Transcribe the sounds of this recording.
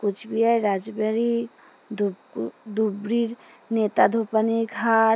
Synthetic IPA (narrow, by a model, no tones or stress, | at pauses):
kʊt͡ʃʰbiajɾad͡ʒbəɾi | d̪ | d̪ubɾiɾ | net̪ad̪ʱopəniɡʱa